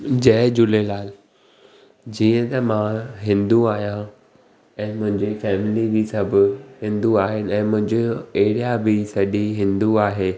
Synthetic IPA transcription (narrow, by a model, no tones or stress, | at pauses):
d͡ʑɛːd͡ʑʊlelaːl | d͡ʑiːə̃t̪ɐmãɦɪ̃nd̪uaːɦijã | ɛ̃ːmʊ̃ɦɪ̃ɲd͡ʑifɛːmɪlibisɐbʱɪɦɪ̃nd̪uaːɦɪnɪ̆ɛ̃ːmʊ̃ɦɪ̃ɲd͡ʑeeɦɪɽijabɪsɐɗiɦɪ̃nd̪uaːɦeː